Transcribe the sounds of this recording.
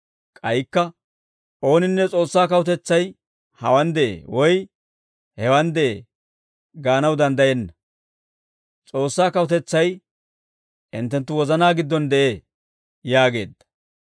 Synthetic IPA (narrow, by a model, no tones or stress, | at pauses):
kʼɐjɪkːɐ | ʔo̞ːnɪnːɛt͡sʼoːsːaːkɐwʊt̪ɛt͡sːɐj | hɐwɐnd̪ɛʔḛːwɔj | hɛwɐnd̪ɛʔḛː | ɡaːnɐwd̪ɐnd̪ɐjɛnːɐ | t͡sʼo̞ːsːaːkɐwʊt̪ɛt͡sːɐj | ɪnt̪ːɛnt̪ːʊwɔzɐnaːɡɪd̪ːɔnd̪ɛʔeː | jaːɡeːd̪ːɐ̥